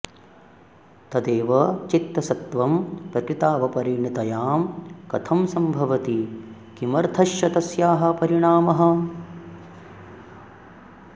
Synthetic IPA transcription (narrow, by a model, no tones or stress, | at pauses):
t̪ɐd̪eːʋɐt͡ʃit̪ːɐsɐt̪ʋɐmpɾɐkɾit̪aːʋɐpɐɾiːɳit̪ɐjaːmkɐt̪ʰɐmsɐmbʱɐʋɐt̪i | kimɐɾt̪ʰɐʃjɐt̪ɐsjaːɦɐ̆pɐɾiɳaːmɐɦɐ̆